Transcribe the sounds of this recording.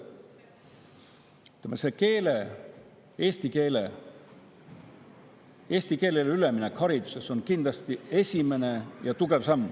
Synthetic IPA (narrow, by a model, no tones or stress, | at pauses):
t̪emeseke̞ːle | eːst̪ike̞ːlḛ | e̞ːsʲt̪ike̞ːlelyleminekhɑɾid̪̥u̥se̞so̞nkind̪̥lɑst̪ie̞sʲime̞ne̞jɑt̪uɡe̞vsɑmː